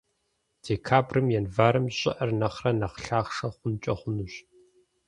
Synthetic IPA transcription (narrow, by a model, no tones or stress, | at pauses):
d̥eːkʰaːbrɨmjɛnvaːɾɨmɕʼɪ̰ʔɐrnɐχrɐnɐqɬaːχʂɐχʷʊnt͡ʃʼɐχʷʊnɨɕ